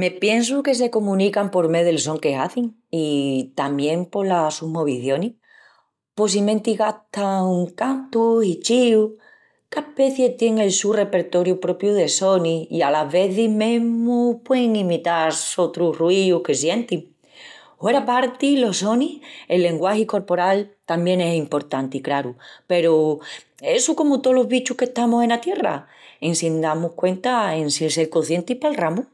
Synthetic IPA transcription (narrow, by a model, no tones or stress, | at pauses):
me̞pje̞ns̬uke̞s̬e̞komũnikampo̞ɾmeðelso̞ŋke̞aθiŋ | it̪amjẽ̞mpo̞lasuɦmːo̞β̞iθjo̞ni | po̞s̬imẽ̞nt̪iɣat̪aŋŋkant̪usit͡ʃiu | kape̞θje̞t̪je̞ŋe̞lsure̞pe̞ɾt̪o̞ɾjupɾo̞pjuðe̞so̞niialaβe̞θimẽmupweeŋĩmit̪aɾso̞t̪ɾurwiuhke̞sje̞nt̪iŋ | fwe̞ɾapaɾt̪ilo̞so̞nie̞lːe̞ŋɡwaheko̞ɾpo̞ɾalt̪ambje̞ŋe̞simpo̞ɾt̪ant̪ikɾaɾupe̞ɾu | e̞suko̞mut̪olo̞ɦβit͡ʃuhke̞ht̪amose̞nat̪je̞ra̰ | ensind̪amuhkwe̞nt̪aensinse̞ɾkoθje̞nt̪ipalramu